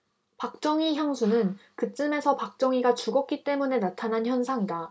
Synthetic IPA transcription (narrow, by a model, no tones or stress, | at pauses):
pak̚t͡ɕ͈ʌŋiçjaŋsʰunɯnkɯt͡ɕ͈ɯme̞sʰʌpak̚t͡ɕ͈ʌŋiɡat͡ɕuɡʌk̚k͈it͈e̞mune̞natʰanançjʌnsʰaŋida